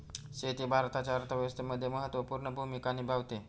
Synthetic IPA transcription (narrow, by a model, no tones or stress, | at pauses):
set̪iːbʱaɾt̪at͡ɕaəɾt̪ʰəʋjəʋəst̪ʰeməd̪ʱːjeməɦət̪ʋəpuɾɳəbʱumikaniːbʱaʋt̪e